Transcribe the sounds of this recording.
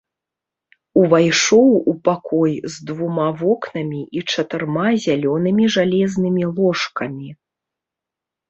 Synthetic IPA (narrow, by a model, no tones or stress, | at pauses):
uvajʂɔwupakʰɔjzd̪vumavɔknɐmʲiʔit͡ʂɐt̪ɨrmazʲalʲɔnɨmʲiʐalʲɛznɨmʲilˠɔʂkɐmʲi